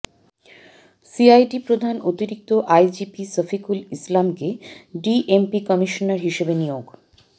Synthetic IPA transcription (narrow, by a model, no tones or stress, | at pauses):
siajɖipɾod̪ʱanot̪iɾik̚t̪oʔajd͡ʑipisəfikulislamkeɖiʔempikɔmiʃonaɾɦiʃebenijoɡ